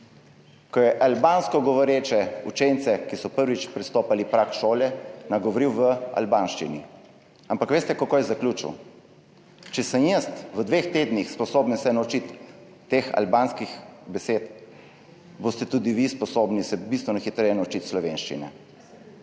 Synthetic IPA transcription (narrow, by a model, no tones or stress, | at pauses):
kɔjɛʔalbaːnskɔɡɔʋɔɾeːt͡ʃɛut͡ʃent̪sɛkisɔpəɾʋit͡ʃpɾɛst̪oːpalipɾakʃoːlɛnaɡɔʋɔɾiwʋəa̰lbaːnʃt͡ʃḭnḭ | ampakʋeːst̪ɛkakojɛzaklʲut͡ʃḭw | t͡ʃɛsəmjəst̪ʋəd̪ʋext̪eːd̪nixspɔsoːbənsɛnaut͡ʃit̪ː | exa̰lbaːnskixbɛseːt̪ | bost̪ɛt̪uːd̪iʋispɔsoːbnisɛbist̪ʋɛnɔxit̪ɾɛjɛnaut͡ʃit̪slɔʋenʃt͡ʃḭnɛ̰